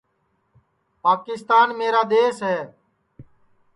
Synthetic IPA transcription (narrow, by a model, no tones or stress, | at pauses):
paːkɪst̪aːnmeːɾaːd̪eːsɦɛː